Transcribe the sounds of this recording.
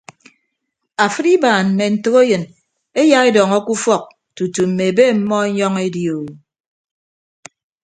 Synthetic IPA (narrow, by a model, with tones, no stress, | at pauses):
a˨fɨ˦ɾi˦baː˨m̩˨me˨n̩˨tɨ˦ɣo˦jɨ˨n | e˦ja˦e˦dɔ˨ŋɔ˦ku˦fɔ˦k̚ | tu˨tu˨m̩˨me˨be˦m̩˦mɔ˦ɲɔ˦ŋe˦djo˨w